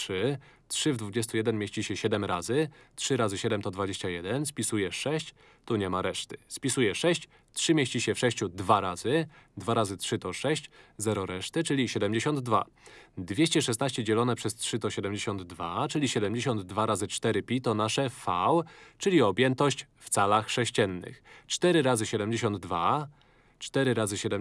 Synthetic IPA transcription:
ʂɘ | tʂɘvd̪vud͡ʑɛst̪ujɛd̪ɛnmʲeɕt͡ɕiɕɛɕɛd̪ɛmɾazɘtʂɘɾazɘɕɛd̪ɛmt̪ɔd̪vad͡ʑeɕt͡ɕajɛd̪ɛnspʲisujɛʂɛɕt͡ɕ | t̪uɲɛmaɾɛʂt̪ɘ̥spʲisujɛʂɛɕt͡ɕ | tʂɘmʲjeɕt͡ɕiɕɛfʂɛɕt͡ɕud̪vaɾazɘd̪vaɾazɘtʂɘt̪ɔʂɛɕt͡ɕzɛɾɔɾɛʂt̪ɘt͡ʂɘlʲiɕɛd̪ɛmd͡ʑeɕɔnd̪ːva̰ | d̪vʲjeɕt͡ɕɛʂɛst̪naɕt͡ɕɛd͡ʑɛlɔnɛpʂɛstʂɘt̪ɔɕɛd̪ɛmd͡ʑeɕɔnd̪ːvat͡ʂɘlʲiɕɛd̪ɛmd͡ʑeɕɔnd̪d̪vaɾazɘt͡ʂt̪ɛɾɘpʲit̪ɔnaʂɛfawt͡ʂɘlʲiɔbʲjɛnt̪ɔɕt͡ɕ | ft̪salaxʂɛɕt͡ɕɛnːɘ̰xt͡ʂt̪ɛɾɘɾazɘɕɛd̪ɛmd͡ʑeɕɔnd̪ːva | t͡ʂt̪ɛɾɘɾazɘɕɛd̪ɛ

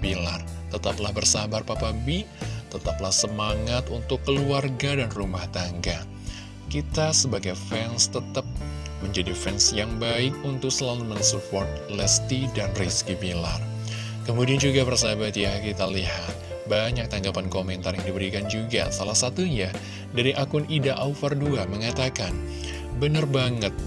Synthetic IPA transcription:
bilart̪ət̪aplahbərsabarpapabit̪ət̪aplahsəmaŋat̪unt̪ʊkːəluarɡadanrumaht̪aŋɡa | kit̪asəbaɡajfɛnst̪ət̪ap̚məɲd͡ʒadifɛnsjaŋbaɪkunt̪ʊk̚səlalumənsupɔrt̪̚ | lɛst̪idanriskibila̰r | kəmudiand͡ʒuɡabərsabat̪jakit̪alihat̪̚ | baɲak̚t̪aŋɡapankomɛnt̪arjaŋdibəɾikand͡ʒuɡa̰salahsat̪uɲa | daɾiʔakʊnidaʔaufarduaməŋat̪akan | bənərbaŋət̪̚

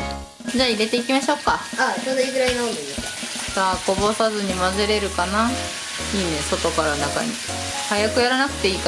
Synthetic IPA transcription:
d͡ʑaːiɾe̞t̪e̞ik̬ʲimaɕo̞ːkaat͡ɕonoiɡɯɾainaond̪ed̪esa | taːko̞bo̞sazɨɲ̟imazɨɾe̞ɾɯ̟kana | iːne̞so̞t̪o̞kaɾanaka̰ɲ̟ḭ | hajakɯ̟jaɾanakɯ̟̥t̪e̞iːka

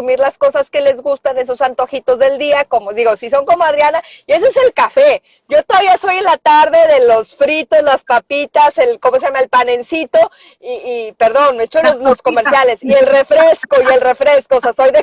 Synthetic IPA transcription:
umiɾlasko̞saske̞le̞zɣust̪aneso̞sant̪oxit̪o̞zðe̞ld̪iako̞moðiɣo̞sis̬o̞ŋko̞moaðɾjana | ie̞s̬eese̞lkafe̞ | ʝot̪oðaβiaso̞je̞nlat̪aɾðe̞ðe̞lo̞sfɾit̪o̞zlaspapit̪aselkomos̬ejamaelpane̞nsit̪o̞ | iːpe̞ɾðo̞nmet͡ʃoloslo̞sko̞me̞ɾsjale̞sie̞lre̞fɾesko̞ie̞lre̞fɾe̞skooseasojðe

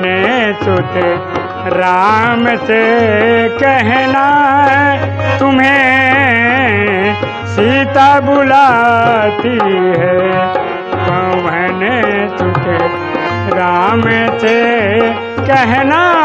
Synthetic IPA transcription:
net̪ot̪e | ɾaːmse | kɛɦnaɦɛt̪ʊmɦe | sit̪abʊla | t̪iɦɛ | t̪oʋɛɦnet̪ʊt̪e | ɾaːmse | kɛɦna

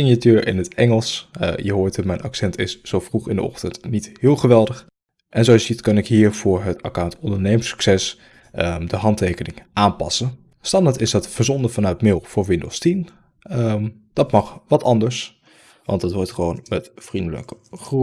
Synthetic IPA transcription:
ɪnjatøːɹɪ̰nɦətʔɛŋəlˠsjəɦoːɹtəmɛjnʔɑ̰ksɛntɪsz̥owfruχɪndə̰ɔ̰χtəntnithɪːlˠχəʋɛlˠdəχ | ʔɛnzowɑsjzitkɑnɪkɦiːɹv̥ʊːɹɦəta̰kawntɔndəɹnejməsy̥ksɛs | ədəɦɑntejkənɪŋʔaːnpɑ̰sən | stɑndaːɹtɪsdɑtfəɹzɔndəfɑnœɥtmɪlˠv̥ʊːɹʋɪndo̰lˠstim | əm | d̥ɑtmɑχʋɑtɑndəɹs | ʋɑ̰ntdɑtʋɔɹtχəʋownmɛtfrindələ̰kəχru

